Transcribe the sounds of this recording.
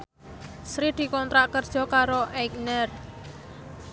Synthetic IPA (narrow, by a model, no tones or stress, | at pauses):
sɾid̪̥i̤kɔnt̪ɾaʔkərd̥ʒ̥ɔ̤kaɾoʔɛk̚nɛr